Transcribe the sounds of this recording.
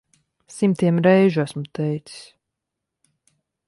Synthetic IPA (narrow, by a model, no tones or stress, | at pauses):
simt̪iɛmɾɛjʒuasmut̪ɛjt̪si̥s